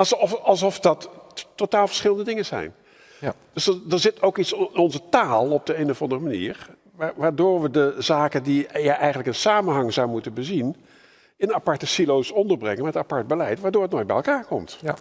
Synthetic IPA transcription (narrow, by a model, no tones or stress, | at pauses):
sɔfɑlˠsɔfdɑttːotaːlˠv̥əɹsχɪləndədɪŋənzɛ̰jn | d̥ɵsdənzɪtowkitsnɔnzətaːlˠɔb̚dəejnɔvɑndərəmanḭːɹ | aʋaːɹdoːɹʋədəzaːkəndijaʔɛjχəntləkənsaːmənɦɑŋzɔwmutənbəzin | ɪnapɑɹtəsilowsɔndəɹbrɛŋənmɛtapɑɹd̚bəlɛjtʋaːdoːɹətnoːj̚bɛjlˠkaːɹkɔmt